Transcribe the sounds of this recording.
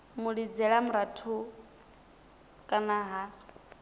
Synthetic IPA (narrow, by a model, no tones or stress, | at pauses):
muɺid͡zɛɺamuɾatʰu | kʼanaɦa